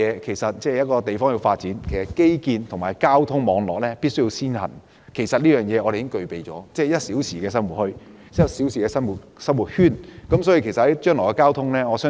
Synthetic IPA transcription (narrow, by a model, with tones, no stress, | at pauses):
ɛː˨˧kʰe˨˩jsɐ˨t̚t͡sɛː˥˩˨jɐ˥t̚kɔː˧t̪e˨jfɔː˥ŋji˧wfaː˧t̚t͡siː˨˥nkʰe˨˩jsɐ˨˩t̚ke˥jkiː˧nt̪ʰʊ˨˩ŋmaː˨jkaː˥wt̪ʰʊ˥ŋmɔː˨˧ŋlɔː˨k̚lɛː˥piː˥t̚sɵ˥ɥji˧wsiː˥nhɐ̰˨˩n | kʰe˨˩jsɐ˨t̚liː˥jœː˨ŋjɛː˨˧ʔɔː˧ɾe˨jɪ˥ŋkɵ˧ɥpe˨jt͡sɔ̰ː˨˥t͡sɛː˥jɐ˥t̚si˨˥wsiː˨˩kɛː˧s̬ɐ˥mwu˨t̚hɵ˧ɥ | ɐ˥siː˨˥wsiː˨kɛː˧sɐ˥nwu˨t̚sɐ˥mwu˨t̚hyː˥nkɐ˨˥msɔː˨˥ji˧kʰe˨˩jsɐ˨thɐ˨˥jt͡ʃœː˥ŋlɔː˨˩kɛː˧kaː˥wt̪ʰʊ˥ŋlɛː˥ŋɔː˨˧sœː˥